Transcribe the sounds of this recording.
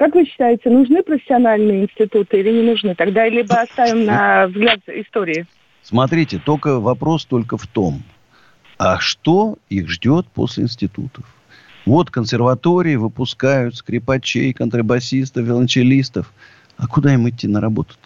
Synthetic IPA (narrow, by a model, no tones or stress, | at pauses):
kakvɨɕːɪ̥t̪ajɪtʲɪnʊʐnɨpɾəfʲɪ̥sʲɪɐnalʲnɨjəɪnsʲtʲɪt̪ut̪ɨilʲɪnʲɪnʊʐnɨt̪ɐɡd̪alʲibɨɐst̪avʲɪmnɐvzɡlʲat̪ɪst̪o̞ɾʲɪɪ | smɐt̪ɾʲitʲɪt̪o̞kəvɐpɾo̞st̪o̞lʲkəft̪o̞m | aʂt̪o̞ixʐdʲo̞t̪̚po̰sʲlʲɪ̰ɪnsʲtʲɪt̪ṵt̪ə̥f | vo̞t̪kənsʲɪrvɐt̪o̞ɾʲɪːvɨpʊskajʊt̪skɾʲɪpɐt͡ɕḛjkənt̪ɾəbɐsʲist̪əfvʲɪlˠənʲt͡ɕɪlʲist̪əf | ɐkʊd̪aimɪt̪ʲːinəɾɐbo̞t̪ə̥t̪ʲ